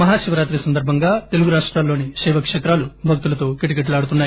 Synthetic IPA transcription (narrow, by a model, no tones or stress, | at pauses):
mɐɦaːʃiʋɐɾaːt̪ɾisɐnd̪ɐɾbʱɐŋɡaːt̪eluɡuɾaːʂʈɾaːlːo̞ːniʃɛːʋɐkʂeːt̪ɾaːlubʱɐk̚t̪ulɐt̪o̞ːkiʈik̬eʈ̬luaːɽut̪unːaːji